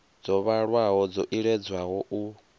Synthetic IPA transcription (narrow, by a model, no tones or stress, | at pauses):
d͡zɔβaɺwaɦɔd͡zɔʔiɺɛd͡zwaɦɔʔu